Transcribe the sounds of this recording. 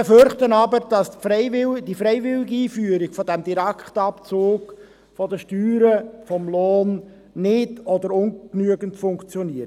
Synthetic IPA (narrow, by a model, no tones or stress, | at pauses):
beføɾχtənɑbəɾd̥ɑsfɾɛɪvɪd̥ifɾɛɪjvɪlɪɡiiːfyːəɾiɡfɔdæmd̪iɾækχtɑpt͡soːɡ | fɔdəʃtyːɾəfɔmloːn | nɪdɔdəɾʊnknyəɡəntfʊŋkt͡sjɔniət